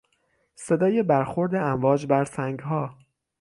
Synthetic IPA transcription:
se̞d̪ɒːje̞bæɾxo̞ɾd̪e̞æmvɒːd͡ʒbæɾsæŋɡɦɒː

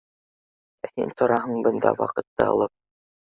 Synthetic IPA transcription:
æhḭnt̪ʰŏɾɑɦɤɴbɤ̆nd̪ɑ̰wɑ̰qɤ̆t̪ːɤɑ̰lˠɤp̚

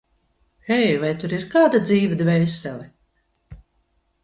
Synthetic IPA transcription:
ɛjvajt̪uɾiɾkaːd̪ad̪ziːvʲɛd̪vʲɛjsʲɛlʲɛ

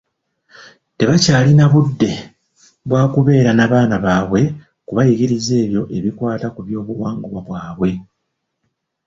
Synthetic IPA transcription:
te̞βacaːlinaβudːe̞ | βwaːkuβe̞ːɾanaːβaːnaβaːβwe̞ | kuβajiɡiɾize̞ːβjo̞ʔe̞βikwaːtakuβjo̞ːβuwaːŋɡuβwaβwaːβwe̞

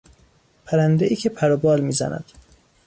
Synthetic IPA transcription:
pʰæɾænd̪eʔiːcʲʰepʰæɾobɒːlmiːzæ̰næ̰d̪̥

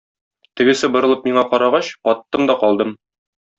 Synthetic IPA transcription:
t̪ɘ̆ɡɘ̆sɘbŏɾɤ̆lˠɤp̚miɴɑqɒɾɑʁɑɕqɒt̪ːɤmd̪ɒqɒlˠd̪ɤm

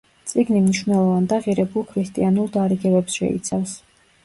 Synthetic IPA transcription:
t̪sʼiɡnimniʃvnɛlˠɔvand̪aʁiɾɛbulˠkʰɾist̪ʼianulˠd̪aɾiɡɛbɛpsʃɛ̰ḭt̪sʰafs

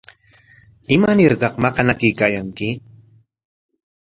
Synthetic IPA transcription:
ɪmanɪɾt̪ɑqmɑqɑnakɪjkaːjaŋkɪ

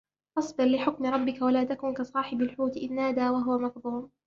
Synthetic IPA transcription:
ʔɑsˤbɨɾlɪħʊkmɪɾˤɑbːɪkawalaːt̪akuːnkasˤɑːħɪbalħuːt̪ʔɪnːaːd̪aːwaɦʊwamɑq̚b̪uːm

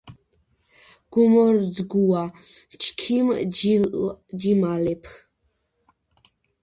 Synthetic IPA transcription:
ɡ̥umɔɾd͡zɡuwat͡ʃʰkʰim | d͡ʒimalɛpʰ

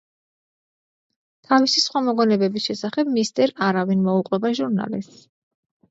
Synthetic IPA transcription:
t̪ʰavisisχwamɔɡɔnɛbɛbisʃɛsaχɛbmist̪ʼɛɾaɾavinmɔuqʼwɛbaʒuɾna̰lis

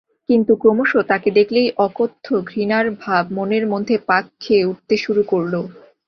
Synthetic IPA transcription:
kint̪ukɾomoʃot̪aked̪ekʰlejʔɔkot̪ʰːoɡʱɾinaɾbʱab̚moneɾmod̪ʱːepakʰːeuʈ̚t̪eʃuɾukoɾlo

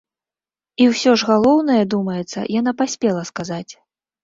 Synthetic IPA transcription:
iwsʲɔʐɣalˠɔwnɐjɛd̪umɐjɛt̪sːɐ̰janapasʲpʲɛlˠɐskazat͡sʲ

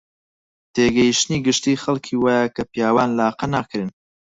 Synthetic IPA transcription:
t̪ʰeːɡɐjiʃt̪niːɡɨʃt̪iːxɐlkʰiːwaːjakʰɐpijaːwaːnlaːqɐnaːkʰɨɾɨn

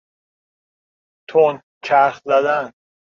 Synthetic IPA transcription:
t̪ʰon | t͡ʃʰæɾxzæd̪æn

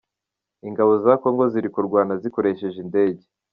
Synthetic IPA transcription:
iŋɡaβo̞zako̞ŋɡo̞ziɾikuɾɡwaːnaziko̞ɾe̞ʃe̞ʒinde̞ːɟe̞

